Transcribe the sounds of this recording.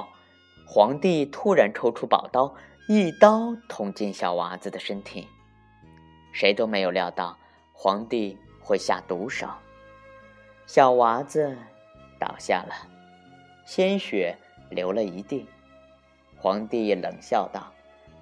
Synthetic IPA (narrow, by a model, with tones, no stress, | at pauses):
xwɑ˧˥ŋt̪i˥˩t̪ʰu˥ɻa˧˥nʈ͡ʂʰo˥ʊʈ͡ʂʰu˥pɑ˨˩ʊt̪ɑ˥ʊ | i˥˩t̪ɑ˥ʊt̪ʰʊ˧˥ŋt͡ɕi˥˩nɕjɑ˨˩ʊwa˧˥d͡zɹ̩˧d̪ə˩ʂə˥nt̪ʰi˨˩˦n | ʂe˧˥ɪt̪o˥ʊme˧˥ɪjo˨˩ʊljɑ˥˧ʊt̪ɑ˥˩ʊ | xwɑ˧˥ŋt̪i˥˧ | xwe˥˧ɪɕja̰˥˩t̪u˧˥ʂo̰˨˩˦ʊ | ɕjɑ˨˩ʊwa˧˥d͡zɹ̩˧ | t̪ɑ̰˨˩ʊɕja̰˥˩lə˩ | ɕjɛ˥nɕɥɛ˨˩˦ | ljo˧˥ʊlə˧i˧˥t̪i˥˩ŋ | xwɑ˧˥ŋt̪i˥˩˨lə̰˨˩ŋɕjɑ˥˧ʊt̪ɑ˥˩ʊ